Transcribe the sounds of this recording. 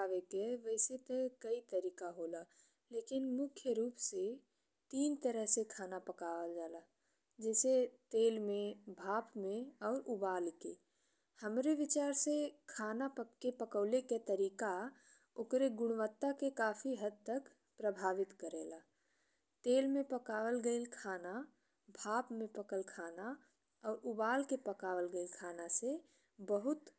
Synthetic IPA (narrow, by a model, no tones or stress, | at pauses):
aːʋekeʋɛːset̪ekəit̪əɾiːkaɦoːla | leːkɪnmʊkʰjəɾuːpse | t̪iːnt̪əɾəɦsekʰaːnapəkaːʋad͡ʒaːla | d͡ʒɛːset̪eːlmẽbʱaːpmẽɔːɾʊbaːlkḛ | həmɾeʋɪt͡ʃaːɾsekʰaːnapəepəkəːleket̪əɾiːka | okɾeɡʊɽ̃ʋət̪ːakekaːpʰiɦəd̪̚t̪ək | pɾəbʱaːʋɪt̪kəɾeːla | t̪eːlmẽpəkaʋəlɡəɪlkʰaːna | bʱaːpmẽpəkəlkʰaːna | ɔːɾubaːlkepəkaːʋəlɡəɪlkʰanase | bəɦʊt̪